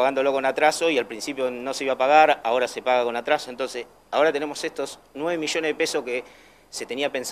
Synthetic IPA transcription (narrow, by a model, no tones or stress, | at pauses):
aɣand̪o̞lo̞konat̪ɾaso̞ialpɾinsipjo̞no̞se̞iβapaɣaɾao̞ɾase̞paɣako̞nat̪ɾaso̞ent̪o̞nses | ao̞ɾat̪e̞ne̞mo̞sest̪o̞snweβemiʒo̞neðepeso̞hke | se̞t̪eniape̞ns